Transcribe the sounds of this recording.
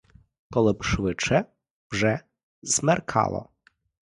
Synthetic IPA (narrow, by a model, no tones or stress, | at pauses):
kɔlɛpʂvɘt͡ʂɛ | b̥ʐɛ | zmɛɾkʰa̰lɔ̰